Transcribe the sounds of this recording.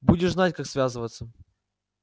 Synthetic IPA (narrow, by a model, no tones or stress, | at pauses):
budʲɪʂznatʲkaksvʲazɨvət̪sːə